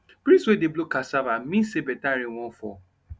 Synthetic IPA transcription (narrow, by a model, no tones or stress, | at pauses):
bɾiswedeblokasavam̩mĩsebɛtaɾiwɔ̃fɔ̰